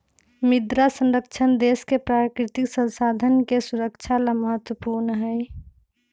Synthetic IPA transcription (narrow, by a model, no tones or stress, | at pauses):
mɪd̪ɾasə̃nɾəkt͡ʃʰənd̪eːskepɾakɾɪt̪ɪksə̃nsaːd̪ʱənkesuɾəkt͡ʃʰalaməɦət̪wəpuːɾnɦɛj